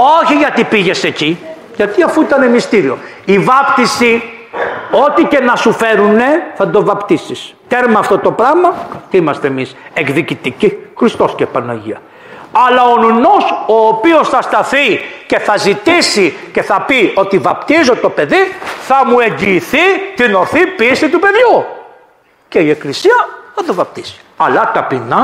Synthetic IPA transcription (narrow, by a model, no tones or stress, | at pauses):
o̞çiʝɐt̪ipiʝe̞se̞ci | ʝɐt̪iɐfuit̪ɐne̞mist̪iɾio̞̰ | ivɐpt̪isi | o̞t̪ice̞nɐsufe̞ɾune̞θɐd̪o̞vɐpt̪isis | t̪eɾmɐːft̪o̞t̪o̞pɾɐɣmɐt̪iimɐst̪eemise̞kðicit̪icixɾist̪o̞scepɐnoʝḭɐ | ɐlɐonuno̞soːpio̞sθɐst̪ɐθice̞θɐzit̪isice̞θɐpio̞t̪ivɐpt̪izo̞t̪o̞pe̞ðiθɐmue̞ɲɟiːθit̪ino̞θipist̪it̪upe̞ðʝu | ce̞ie̞klisiɐθɐd̪o̞vɐp̚t̪i̥si̥ɐlɐt̪ɐpinɐ